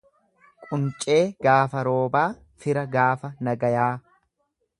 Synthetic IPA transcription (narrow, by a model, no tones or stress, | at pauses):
kʼʊnt͡ʃʼe̞ːɡaːfɐɾo̞ːbaː | fɪɾɐɡaːfɐnɐɡɐjaː